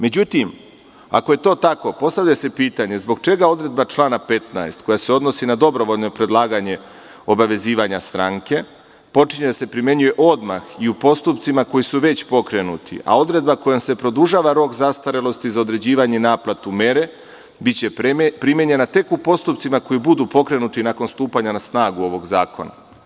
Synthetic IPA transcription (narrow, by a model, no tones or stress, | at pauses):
me̞d͡ʑut̪im | a̰koje̞t̪o̞ːt̪ako̞po̞st̪aʋʎasepiːt̪aɲe̞zbo̞ɡ̚t͡ʃe̞ɡao̞d̪ɾe̞d̪̚bat͡ʃlˠaːnape̞t̪na̰est̪ko̞jaseo̞d̪no̞sinad̪o̞bɾo̞ʋo̞ʎno̞pɾe̞d̪lˠaːɡaɲe̞ | o̞baʋe̞ziːʋaɲast̪ɾaːŋke̞ | po̞t͡ʃiɲed̪asepɾimje̞ɲuje̞ʔo̞d̪ma̰xiupo̞st̪upt̪simako̞jisuʋe̞t͡ɕpo̞kɾe̞nut̪ʰḭʔa̰o̞d̪ɾe̞d̪̚bako̞jomse̞pɾo̞d̪uʒaːʋaɾo̞kzast̪aɾelˠo̞st̪izao̞d̪ɾe̞d͡ʑiːʋaɲenaːplat̪ume̞ɾe̞ | bit͡ɕe̞pɾimjeɲe̞nat̪e̞kupo̞st̪upt̪simako̞jibud̪upo̞kɾe̞nut̪inako̞nst̪uːpaɲanasnaːɡuo̞ʋo̞ɡzaːko̞̰na̰